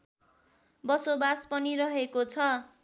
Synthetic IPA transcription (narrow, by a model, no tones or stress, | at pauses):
bʌsobaspʌnirʌɦekot͡sʰʌ